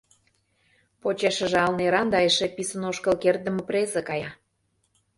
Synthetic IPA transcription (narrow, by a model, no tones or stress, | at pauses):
pot͡ɕeʃə̆ʒeɑlneɾɑnd̪ɑjəʃĕpisə̆noʃkəlkerd̪ə̆mə̆prezə̆kɑjɑ